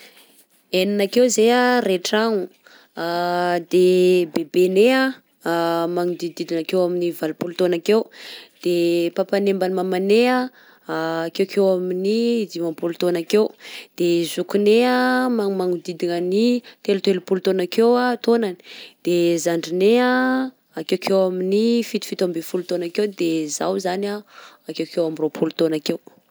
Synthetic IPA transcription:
eninakewzeareʈ͡ʂaŋu | ad̪ebebenea | maŋud̪id̪id̪iŋakewaminivalupulut̪onakewd̪̥epapanembanimamanea | kewkʰewaminid̪ivampulut̪onakewd̪̥ezukuneamaŋmaŋud̪id̪inanit̪elut̪elupulut̪onakewat̪onani̥d̪̥ezaɳɖ͡ʐinea | akewkʰewaminifit̪u̥fit̪ambefulut̪onakewd̪eza̰wzanaakewkewamiropʰulut̪onakew

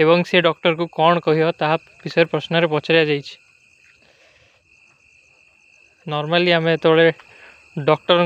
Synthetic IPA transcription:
eβɔŋseɖɔk̚ʈɔɾkukɔɳ̃ɔkɔɦiɔt̪aɦa | bisɔjɾpɾɔsnɔɾepɔt͡ʃʰaɾijad͡ʒajt͡ʃʰi̥ | nɔɾmaliameet̪ɔɭe | ɖɔk̚ʈɔɾ

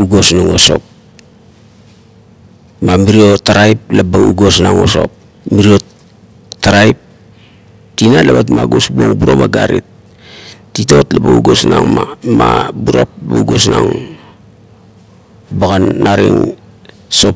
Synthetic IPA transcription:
uɡo̞snaŋo̞so̞p̚ | mamiɾiotaɾajp̚labauɡo̞snaŋo̞so̞̰p̚ | miɾio | taɾaip̚ | tinalabatmaɡosbuoŋbuɾobaɡaɾit̚ | tito̞tlabauɡo̞sna̰ŋmamabuɾo̰p̚bauɡosna̰ŋ | baɡanːaɾḭŋ | so̞p

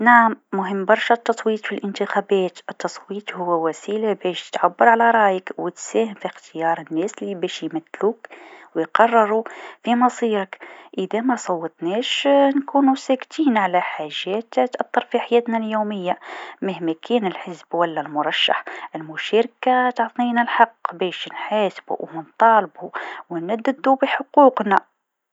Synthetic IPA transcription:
naʕamːʊɦəmːbɑɾˤʃat̪ːɑsˤwiːt̪ˤfilʔɪnt̪əxæːbɛːt̪ʔət̪ːɑsˤwiːt̪ˤhʊwːwæsiːlabɛːʃt̪ʕabːɑɾˤʕalæɾˤɑːjəkwət̪sæːhəmfixt̪əjɑːɾˤənːɛːslːibɛʃjmæt̪ːluːkwjqɑrˤːɑɾˤufimɑsˤiːɾɑkʔəd̪æmæsˤɑwːət̪ˤnɛːʃnkuːnusækt̪iːnʕalæħaʒːæːt̪t̪ʔɑt̪ˤːɑɾˤfiħajɛːt̪næljoːməjːaməhmækʰɛːnəlħəzbwælːælmʊɾˤɑʃːa̰ħʔɪlmʊʃæːɾkat̪ɑʕt̪ˤninælħɑqːbɛːʃnħaːsbṵwnənt̪ˤɑːlbuwənæd̪ːəd̪ubəħoquːqnæ

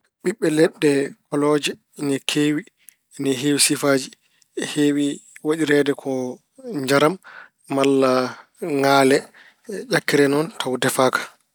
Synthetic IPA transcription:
ɓiɓːɛlɛɗːɛkɔlɔd͡ʒɛ | nɛkʰeːwi | nɛɦewisifaːd͡ʒi | heːwiwaɗiɾɛdɛkʰɔ | ɲd͡ʒaɾamː | alːa | ŋalɛ | ʔakːiɾɛnɔntʰawdɛfaːkʰḁ

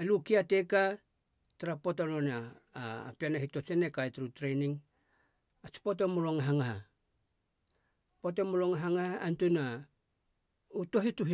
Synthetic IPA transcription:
elukiate̞ka | taɾapotalona̰ː | pianaɦito̞t͡ʃenekajtɾutɾe̞jniŋ | at͡ʃi̥po̞temuloŋaɦaŋaɦa | potemuloŋaɦaŋahaantuna | uto̞ɦituɦi

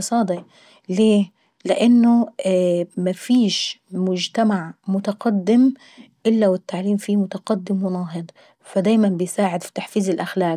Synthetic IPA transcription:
sˤɑːd̪ˤi | leː | lɪʔanːʊ | mafiːʃmʊd͡ʒt̪amaʕmʊt̪aqɑd̪ːɪm | ʔɪlːawɪt̪ːaʕliːmfimʊt̪aqɑd̪ːɪmwɪnɑːɦɨd̪ˤ | fad̪aːjmanbɪjsaːʕɪd̪fi̥t̪aħfiːzɪlʔaxlaːk

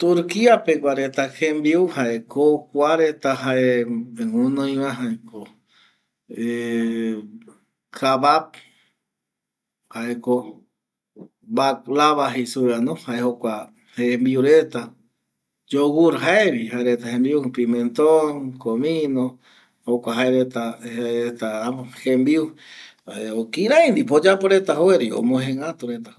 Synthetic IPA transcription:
t̪uɾkiapekʷaɾet̪ahẽmbiuhaʔekokʷaɾet̪aɦaʔeeŋũnõj̃wãɦaeko | e | kʰaβap̚ | haʔeko | baklaβaɦisuɾanõhaehokʷa | hembiuɾet̪a | d͡ʒowuɾɦaeβiɦaeɾet̪ahembiupimẽnt̪onkomĩnõ | hokʷaɦaeɾet̪aet̪ahembiu | eokiɾajnd̪ipod͡ʒapoɾet̪aɦoeɾio̰mõɦẽŋat̪uɾet̪a

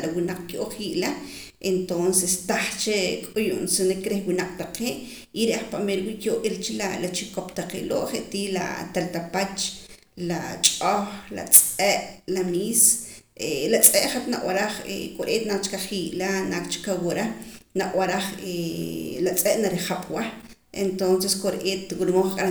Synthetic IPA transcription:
lawinaq͡χkjʔoχiʔla | ent̪onsest̪aχt͡ʃekʼujṵʔnsinekɾehwinaq͡χ̚ʼt̪aqeːʔ | iɾeʔaχpaʔmelwiːʔkjoʔelt͡ʃilalat͡ʃikopt̪aqḛʔlo̰ːʔχeʔt̪iːla̰t̪alt̪apat͡ʃ | lat͡ʃʼoχla̰t͡sʼeʔlamiːselat͡sʼeʔχat̪naʔwaɾaχḛkʼoɾʔeːt̪nat͡ʃkaχiːʔlanakt͡ʃkawoɾanaʔwaɾaχelat͡sʼeʔnaɾiχaɓ̥wa | ḛnt̪onseskoɾʔeːt̪wuɾmoχkʼaɾa

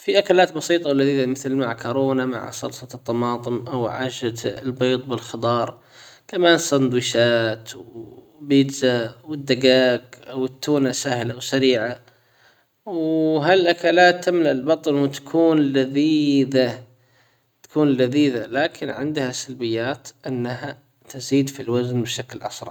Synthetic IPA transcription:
fiʔakalaːt̪bɑsiːt̪ˤɑwlaðiːðamɪθlmaʕkʰoɾoːnama̰ʕsˤɑ̰lsˤɑt̪ˤːɑmɑːt̪ˤɨmʔawʕa̰ːʃat̪lbiːt̪ˤbɪlxɑd̪ˤɑːɾˤ | kamaːnsand̪wiːʃaːt̪w | biːd̪zawɪd̪ːaɡaːkʔawɪt̪ːuːnasahlawsaɾiːʕa | wwɦalʔakalaːt̪ːamlaʔɪlbɑt̪ˤɑnwt̪ḁkʰuːnlaðiːða | t̪ḁkuːnlaðiːðalaːkʰɪnʕɪ̰nd̪hasalbɪjːaːt̪ʔɪnːaha | t̪ɪziːd̪filwaznbʃaklʔɑ̰sɾˤɑ̰ʕ

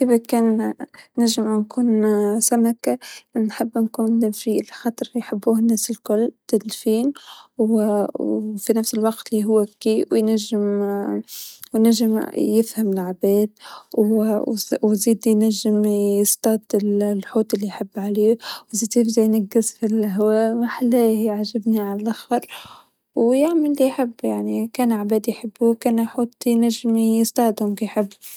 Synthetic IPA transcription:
kɪbakeːnː | aʒːɪmnkuːnsamakaʔnħɪbːnkuːnfilxɑt̪ˤɾljħɪbːuːhnːeːsɪlkʊlːt̪ɪlfiːnw | finafsɪlwɑqt̪liɦʊwːakːiːwjnaʒːɪm | jnaʒːɪmjɪfhamɪlʕabeːd̪w | wziːd̪jnaʒːɪmjɪst̪ɑːd̪ɪllħoːt̪ˤɪlːijħɪbːʕaleːwziːd̪jɪfzajnaɡːɪsfilɦwæaːʔmaħalaːhʕʒɪbniʕalalʔaxbɑɾˤ | wjaʕmɪlːijħɪbːjaʕnikæːnʕabæːd̪ijħɪbːuwkæːnħuːt̪jnaʒːɪmjɪst̪ˤɑːʕd̪hʊmkijħɪbː

